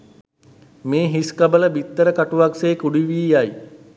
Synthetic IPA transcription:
meːɦiskabələbit̪ːəɾəkaʈuʋakseːkuɖiʋiːaj

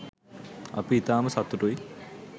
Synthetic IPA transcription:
ɐ̰piit̪aːmɐsɐt̪ːuʈuj

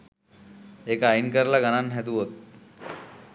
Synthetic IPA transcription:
ekainkəɾlaɡananɦɛt̪uɦot̪̚

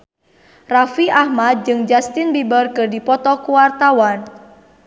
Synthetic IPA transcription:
rafiʔahmad̪̚d͡ʒɨŋd͡ʒast̪inbibərkɨrdipɔt̪ɔkuwart̪awan

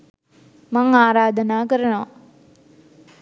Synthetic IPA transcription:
mɐŋaːɾaːd̪ʱɐnaːkɐɾɐɳoː

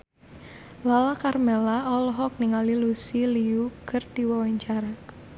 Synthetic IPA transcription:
lalakarmelaɔlɔɦɔk̚niŋalilusiliukərd̪̥iwawaɲt͡ʃaɾa

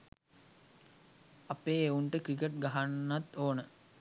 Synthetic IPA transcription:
apeːeuɳʈəkɾikeʈ̚ɡaɦanːat̪oːnə

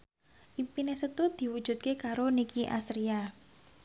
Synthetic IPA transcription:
ʔipinesət̪ud̪̥i̤wud̥ʒ̥ṳt̪̚kekaɾonikiʔa̰st̪ɾia

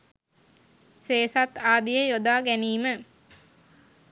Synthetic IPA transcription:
seːsat̪aːd̪ijəjod̪aːɡɛniːmə

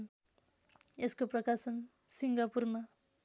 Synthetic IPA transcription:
n | eskoprʌkasʌn | siŋɡapurma

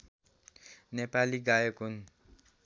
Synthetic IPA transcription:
nepaliɡajokun

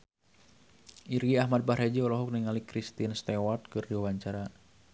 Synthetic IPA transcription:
ʔiɾɡiahmad̪̚bahɾad͡ʒiɔlɔɦɔk̚niŋalikɾist̪inst̪ewat̪̚kɨrdiwawaɲt͡ʃaɾa

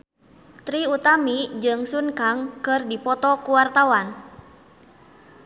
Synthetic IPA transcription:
t̪ɾiut̪amid͡ʒɨŋsunkaŋkɨrdipɔt̪ɔkuwart̪awan

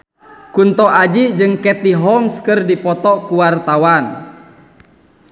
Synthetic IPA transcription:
kunt̪ɔʔad͡ʒid͡ʒɨŋkɛt̪iɦɔmskərdipɔt̪ɔkuwart̪awan

